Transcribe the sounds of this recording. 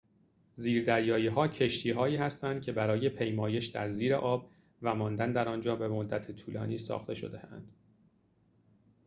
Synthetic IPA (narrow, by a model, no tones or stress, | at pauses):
ziːɾd̪æɾjɒːjiːɦɒːcʰe̞ʃt̪ʰiːɦɒːiːhæst̪ænd̪̚cʰe̞bæɾɒːje̞pʰe̞jmɒːje̞ʃd̪æ̰ɾziːɾe̞̰ʔɒːb̚ | væmɒːnd̪ænd̪æɾɒːnd͡ʒɒːbe̞mo̞d̪ːæt̪ʰet̪ʰuːlɒ̰ːniːsɒ̰ːxt̪ʰe̞ʃo̞̰d̪e̞hæ̰nd̪̥